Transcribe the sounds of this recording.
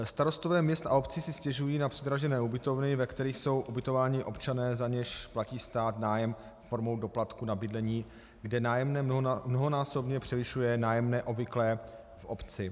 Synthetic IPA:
st̪aɾo̞st̪ovɛːmɲɛst̪ʔao̞pt͡sɪsɪscɛʒujiːnapr̥ɛd̪ɾaʒɛnɛːubɪt̪o̞vnɪvɛkt̪ɛɾiːxso̞wʔubɪt̪o̞vaːɲɪʔo̞pt͡ʃanɛːzaɲɛʃplaciːst̪aːt̪naːjɛm | foɾmo̞wdo̞plat̪kunabɪdlɛɲiː | ɡdɛnaːjɛmnɛmnoɦonaːso̞bɲɛpr̝̥ɛvɪʃujɛnaːjɛmnɛːʔo̞bvɪklɛː | fʔopt͡sɪ

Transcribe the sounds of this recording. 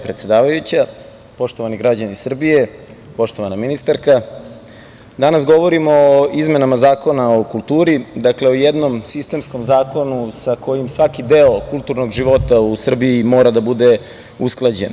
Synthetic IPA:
pɾet̪sed̪aːʋajut͡ɕa | po̞ʃt̪o̞ʋaniɡɾad͡ʑanisr̩bije̞ | po̞ʂt̪oʋanaminist̪aɾka | d̪anasɡo̞ʋo̞ɾimo̞oizme̞namazaːko̞nao̞kulˠt̪uːɾid̪akle̞ojed̪no̞msist̪e̞msko̞mzaːko̞nusako̞jimsʋakid̪e̞okulˠt̪uɾno̞ɡʒiʋo̞t̪ausr̩biimo̞ːɾad̪abud̪e̞ | usklˠad͡ʑe̞̰n

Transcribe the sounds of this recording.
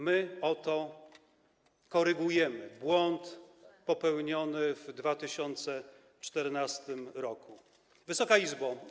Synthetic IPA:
mɘɔt̪ɔ | kɔɾɘɡujɛmɘbwɔnt̪pɔpɛwɲɔnɘvd̪vat̪ɘɕɔnt̪sɛ | t͡ʂt̪ɛɾnast̪ɘmɾɔku | vɘsɔkaizba

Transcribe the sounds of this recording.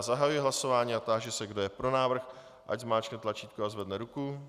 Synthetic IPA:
zaɦajujɪɦlaso̞vaːɲiːat̪aʒɛsɛɡdojɛpɾo̞naːvr̩x | ʔa̰ɟzmaːt͡ʃknɛt̪lat͡ʃiːt̪̚koazvɛdnɛɾuku

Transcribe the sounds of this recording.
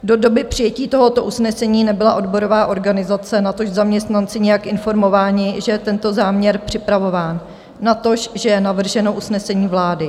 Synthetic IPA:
do̞do̞bɪpr̝̥ɪjɛciːt̪o̞ɦo̞t̪o̞ʔusnɛsɛɲiːnɛbɪlaʔo̞dbo̞ɾo̞vaːʔo̞ɾɡanɪzat͡sɛnat̪oʃzamɲɛst̪nant͡sɪɲɛjakʔɪnfo̞ɾmo̞vaːɲɪʒɛjɛt̪ɛnt̪o̞zaːmɲɛɾpr̝̥ɪpɾavo̞vaːnː | at̪o̞ʃʒɛjɛnavr̩ʒɛno̞ʔusnɛsɛɲiːvlaːdɪ

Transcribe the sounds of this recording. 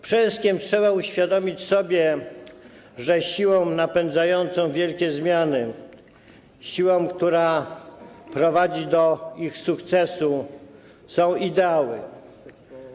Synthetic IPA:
pʂɛskʲɛmtʂɛβauɕfʲjad̪ɔmʲit͡ɕsɔbʲjɛ | ʐɛɕiwɔ̃w̃napɛnd̪zajɔnt̪sɔ̃w̃vʲjɛlkʲɛzmʲjanɘ | ɕiwɔ̃kt̪uɾa | pɾɔvad͡ʑid̪ɔixsukt̪sɛsu | sɔ̃w̃ʔid̪ɛawɘ̰

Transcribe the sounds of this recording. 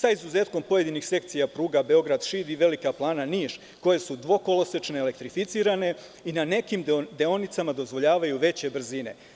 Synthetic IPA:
saizuze̞ːt̪ko̞mpo̞je̞d̪inixse̞kt̪sijapɾuːɡabe̞o̞ɡɾad̪ʃiːd̪iʋe̞likaplˠaːnaniːʃ | ko̞je̞sud̪ʋo̞ko̞lo̞set͡ʃneele̞k̚t̪ɾifit̪siːɾane̞ | inane̞kimd̪e̞o̞nit̪samad̪o̞zʋo̞ʎaːʋajuʋe̞t͡ɕe̞br̩zine̞̰

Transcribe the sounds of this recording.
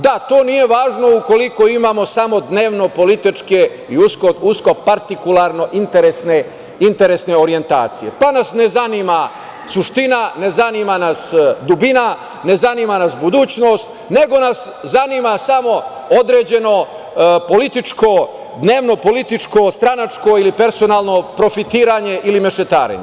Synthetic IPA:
d̪at̪o̞ːnije̞ʋaːʒno̞uko̞liko̞imaːmo̞samo̞d̪ne̞ːʋno̞po̞lit̪it͡ʃke | iuskousko̞paɾt̪ikulˠaɾno̞ʔint̪eɾesne | int̪e̞ɾesne̞o̞ɾije̞nt̪a̰ːt̪sije̞̰panasne̞zanima | suʃt̪inane̞zanimanasd̪ubina | ne̞zanimanasbud̪uːt͡ɕno̞ːst̪ | ne̞ɡo̞nas | zaniːmasamo̞ | o̞d̪ɾe̞ːd͡ʑe̞no̞ | po̞lit̪it͡ʃko̞ | d̪ne̞ːʋno̞po̞lit̪it͡ʃko̞st̪ɾanat͡ʃko̞ilipe̞ɾso̞naːlˠno̞pɾo̞fit̪iːɾaɲe̞ʔilime̞ʃet̪a̰ːɾḛɲḛ

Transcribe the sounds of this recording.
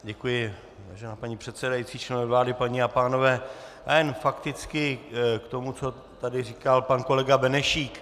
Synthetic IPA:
ɟɛkujɪ | vaːʒɛnaːpaɲiːpr̥ɛt̪sɛdajit͡siːt͡ʃɛnɛvlaːdɪpaɲiapaːno̞vɛːʔajɛnfakt̪ɪt͡skɪkt̪o̞mut͡so̞ | t̪adɪriːkalpanko̞lɛɡabɛnɛʃiːk

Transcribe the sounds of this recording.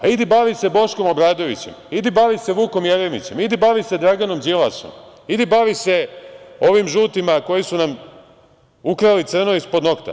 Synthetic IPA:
aid̪ibaːʋise̞bo̞ʃko̞mo̞bɾaːd̪o̞ʋḭt͡ɕe̞̰mid̪ibaːʋise̞ʋuːko̞mjeɾemḭt͡ɕe̞mid̪ibaːʋise̞d̪ɾaɡano̞md͡ʒilaso̰m | id̪ibaːʋise̞o̞ʋimʒuːt̪imako̞jisunam | ukɾalit̪sr̩noispo̞d̪no̞kt̪a̰

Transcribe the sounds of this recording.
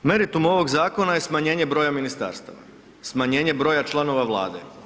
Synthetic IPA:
me̞ɾit̪umo̞ʋo̞ɡzaːko̞naje̞smaɲe̞ːɲe̞bɾo̞ːjaminist̪a̰ɾst̪a̰ʋa̰ | smaɲe̞ːɲe̞bɾo̞jat͡ʃlˠano̞ʋaʋlˠa̰ːd̪ḛ

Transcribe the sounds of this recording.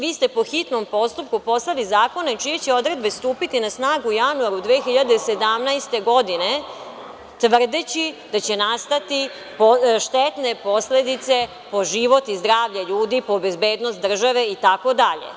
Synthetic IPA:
ʋiːst̪e̞po̞xit̪no̞mpo̞st̪up̚kupo̞st̪alizaːko̞net͡ʃijet͡ɕeo̞d̪ɾe̞d̪be̞st̪uːpit̪inasnaːɡuːjanuaɾud̪ʋeːxiʎad̪ese̞d̪amnajst̪e̞ɡo̞d̪ine̞ | t̪ʋr̩d̪et͡ɕid̪at͡ɕe̞nast̪at̪i | poʃt̪et̪ne̞po̞sle̞d̪it̪se̞ | po̞ʒiʋo̞t̪izd̪ɾaːʋʎeʎuːd̪ipo̞be̞zbeːd̪nost̪d̪r̩ʒaʋe̞it̪ako̞d̪aʎḛ

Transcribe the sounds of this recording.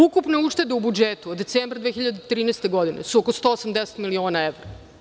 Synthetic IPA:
ukupne̞uʂt̪e̞d̪eubud͡ʒet̪uod̪ːetseːmbɾad̪ʋexçiʎad̪et̪ɾiːnest̪eɡod̪inḛsuokost̪o̞ːosamd̪ese̥t̪milio̞ːnaeʋɾo

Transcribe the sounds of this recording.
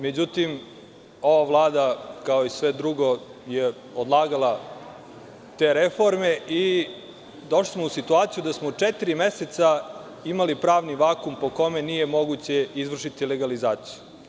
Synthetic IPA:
me̞d͡ʑut̪im | o̞ʋaʋlˠaːd̪akaoisʋed̪ɾuɡo̞je | od̪lˠaːɡala | t̪e̞ːɾefo̞ɾme̞i | d̪o̞ʃli̥smousit̪uaːt̪sijud̪asmot͡ʂet̪iɾime̞set̪sa | imalipɾaːʋniʋaːkumpo̞ko̞me̞nijemo̞ɡut͡ɕe̞izʋr̩ʂit̪ileɡalizaːt̪siju

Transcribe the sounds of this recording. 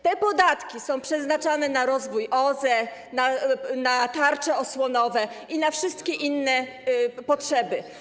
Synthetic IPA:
t̪ɛpɔd̪at̪kʲisɔ̃w̃pʂɛznat͡ʂanɛnaɾɔzvujʔɔzɛ | nanat̪aɾt͡ʂɛɔswɔnɔvɛ | ʔinafʂɘst̪kʲɛʔinːɛ | pɔtʂɛbɘ

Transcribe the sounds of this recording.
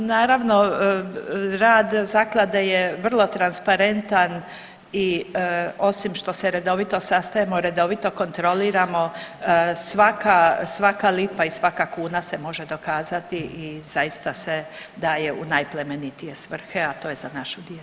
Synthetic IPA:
naːɾaʋno̞ | ɾaːd̪zaklˠad̪ajeʋr̩lˠo̞t̪ɾanspaɾe̞nt̪an | i | o̞simʃt̪o̞seɾe̞d̪o̞ʋit̪o̞sast̪ajemoɾe̞d̪o̞ʋit̪o̞ko̞nt̪ɾo̞liːɾamo̞ | sʋakasʋakalipaisʋakakuːnasemo̞ʒe̞d̪o̞kaːzat̪iʔiz̥ajist̪ase | d̪aːjeṵnajplemenit̪ije̞sʋr̩xeat̪o̞ːjezanaʃud̪jelu

